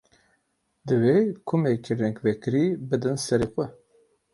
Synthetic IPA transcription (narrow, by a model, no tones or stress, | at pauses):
d̪ɨvekʰʊmekʰiɾɛŋkvɛkɨɾiːbɨd̪ɨnsɛɾexʷɛ